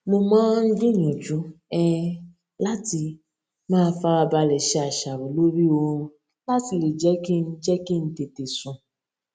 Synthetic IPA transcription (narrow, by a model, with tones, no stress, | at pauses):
mo˧mãː˦n̩˦d͡ʒĩ˦˨ɲũ˨d͡ʒu˨˦ɛ˦˧ | la˦ti˧ | mãː˦˧˦fa˦˧ɾa˧ba˧lɛ˨ʃɛ˨˦a˨ʃa˨wo˨lo˦ɾi˦õ˧˦ | la˦ti˧˨le˨d͡ʒɛ˦ki˦˧n̩˦d͡ʒɛ˦ki˦˧n̩˦te˨te˨sũ˨